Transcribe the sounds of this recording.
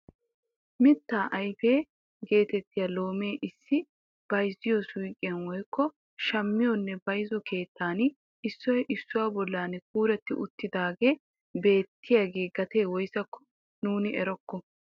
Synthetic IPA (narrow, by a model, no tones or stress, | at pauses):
mɪt̪ːaːʔɐjfe̞ː | ɡe̞ːt̪ɛt̪ːɪjalo̞ːmeːʔɪsːɪ | b̥ɐjzɪjɔsʊjkʼːɪjɐnwɔjkːɔ | ʃɐmːɪjɔnːɛbɐjzɔkʰe̞ːt̪ʰːaːn | ɪsːɔjɛʔɪsːʊwaːbɔlːaːnɛk̚uːɾɛt̪ːɪʔʊt̪ːɪd̪aːɡe̞ː | be̞ːt̪ʰːɪjaɡe̞ːɡɐt̪eːwɔjsɐkʰːɔ̥ | nuːnɪɛɾɔkːɔ